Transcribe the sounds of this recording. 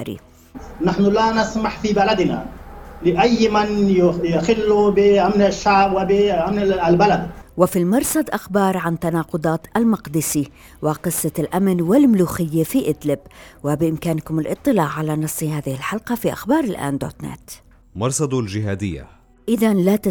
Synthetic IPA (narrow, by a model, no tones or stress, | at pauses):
ɾḭ | naħnʊlanɪsmaħfibalad̪na̰ | lɪʔajːmanjjɪxɪlːubɪʔamnaʃːaʕbwɪbɪʔamnlbalad̪wɪfimɑɾˤsˤɑd̪ʔaxbɑːɾˤʕant̪anɑːqʊd̪ˤɑːt̪ʔalmɑqd̪ɪsi | wɪqɨsˤːɑlʔamnwɪlmluːxɪjːafiʔɪd̪lɪbwɪbɪʔɪmkaːnkʊmalʔɨt̪ˤːɨlɑːʕːalanɑsˤːihaːðɪhɪlħɑlqɑfiʔa̰xbɑːɾˤɪlʔa̰ːnd̪o̰ːt̪nɛ̰t̪ | mɑɾˤsˤɑd̪ˤld͡ʒɪɦaːd̪ɪjːa̰ | ʔɪðanlat̪